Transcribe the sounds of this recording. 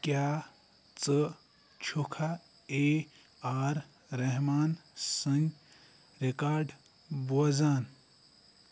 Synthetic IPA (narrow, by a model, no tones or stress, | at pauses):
kjaː | t͡sə | t͡ʃʰukʰa | e | aːɾ | ɾɐɦmaːnsəŋ | ɾekaːɾɖ | boːd͡zaːn